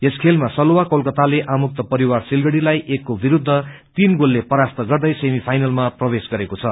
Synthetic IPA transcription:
eskʰelmasʌlowakolkʌt̪aleʔamuk̚t̪ʌpʌɾiwarsilɡʌɽilajʔekːobiɾud̪ʱːʌ | t̪inɡolːepʌɾast̪ʌɡʌrd̪ʌjsemipʰajnʌlmaprʌbesɡʌɾekot͡sʰʌ

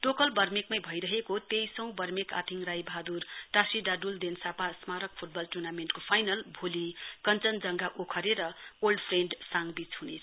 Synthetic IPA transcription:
ʈokʌlbʌrmekmajbʱʌjɾʌɦekot̪ejsʌ̃w̃bʌrmeka̰t̪ʰiŋrajbʱad̪urʈasiɖaɖuld̪ensapasmaɾʌk̚pʰuʈ̚bʌlʈurnamenʈkopʰajnʌlbʱolikʌnt͡sʌnd͡zʌŋɡaʔokʰʌɾeɾʌolɖpʰreɳɖsaŋɡbit͡shɦunet͡sʰ

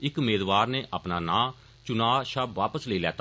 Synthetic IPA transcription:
ɪkmeːzʋaːɾneːʔaːpnaːnãː | t͡ʃʊnaːʃabʋaːpəsleiːlɛːt̪a

